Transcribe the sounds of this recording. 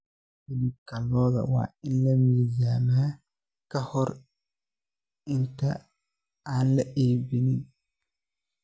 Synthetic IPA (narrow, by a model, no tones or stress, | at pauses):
bɪlikɐlɔːðɐ̰wa̰ːɪnlɐmiːzaːnaː | kɐhɔɾ | ɪnt̪ɐ̰ | aːnlɐʔeːbɪnɪn